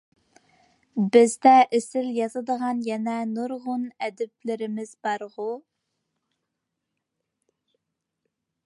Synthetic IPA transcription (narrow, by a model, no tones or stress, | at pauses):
bɪzd̪ɛʔesɪljɑzɨd̪əʁɑnjɛnɛnuɾʁʊnɛd̪ɪplɪɾɪmɪzbɑɾʁʊ